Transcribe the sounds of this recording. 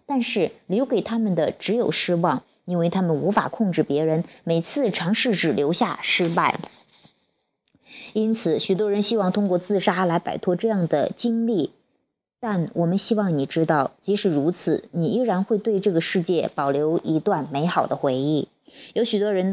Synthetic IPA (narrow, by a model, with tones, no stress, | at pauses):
t̪a˥˧nʂɻ̩˥˩ljo˧˥ʊke˨˩ɪt̪ʰa˥mə˨nd̪ə˩ʈ͡ʂɻ̩˧˥jo˨˩ʊʂɻ̩˥wɑ˥˩ŋ | i˥nwe˥˩ɪt̪ʰa˥mə˨nu˧˥fa̰˨˩kʰʊ˥˧ŋʈ͡ʂɻ̩˥˩pjɛ˧˥ɻə˧˥nme˨˩ɪt͡sʰɹ̩˥˩ʈ͡ʂʰɑ˧˥ŋʂɻ̩˥˧ʈ͡ʂɻ̩˥˩ljo˧˥ʊɕja˥˩ʂɻ̩˥pa˥˩ɪ | i˥nt͡sʰɹ̩˨˩ɕy˨˩t̪̬wɔ˥ɻə˧˥nɕi˥wɑ˥˩ŋt̪ʰʊ˥ŋkwɔ˥˧t͡sɹ̩˥˩ʂa˥la˧˥ɪpa̰˨˩ɪt̪ʰwɔ˥ʈ͡ʂɤ˥˧jɑ˥˩ŋd̪ə̰˩t͡ɕi˥ŋli˥˩ | t̪a˥˩nwʔɔ˨˩mə˦nɕi˥wɑ˥˩ŋni˨˩ʈ͡ʂɻ̩˥t̪ɑ˥˩ʊt͡ɕi˧˥ʂɻ̩˨˩ɻu˧˥t͡sʰɹ̩˨˩ni˨˩i˥˩ɻa˧˥nxwe˥˧ɪt̪we˥˧ɪʈ͡ʂɤ˥˩ɡə˩ʂɻ̩˥˧t͡ɕjɛ˥˩pɑ˨˩ʊljo˧˥ʊʔi˧˥t̪wa˥˩nme˧˥ɪxɑ˨˩ʊd̪ə˦xwe˧˥ɪi˥˩ | jo˧˥ʊɕy˨˩t̪wɔ˥ɻə˧˥n